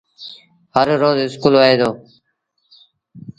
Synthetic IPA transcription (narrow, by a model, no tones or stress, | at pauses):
ɦəɾɾoːzɦɪskuːlʋaːɦeːd̪oː